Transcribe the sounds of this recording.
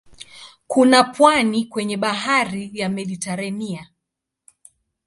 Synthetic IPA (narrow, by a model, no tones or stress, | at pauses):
kunapwanikwɛɲɛɓaɦaɾijamɛɗitɛɾɛnia